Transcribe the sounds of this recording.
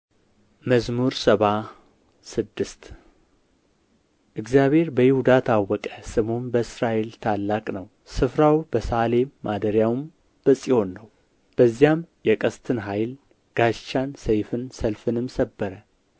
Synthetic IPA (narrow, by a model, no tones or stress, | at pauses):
məzmuɾsəβa | sɨd̪ːɨst̪ | ʔɨɡzjaβhe̞ɾbəjɪhud̪at̪ʰawːɔkʼəsɨmonbəɨsɾaʔe̞lt̪ʰalːakʼnəw | sɨfɾawbəsale̞mːad̪əɾjawm | b̥əsʼiho̞nːəw | b̥əzːijamjɛkʼəst̪ʰɨnɦajl | ɡ̥aʃt͡ʃːansəjfɨnsəlfɨnɨmsəbːəɾə